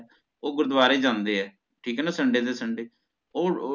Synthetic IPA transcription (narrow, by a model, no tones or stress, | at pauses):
oːɡʊɾəd̪ʋaːɾeːd͡ʒãːnd̪eːɛː | ʈʰiːkːnãːsəɳɖeːd̪eːsəɳɖeː | oː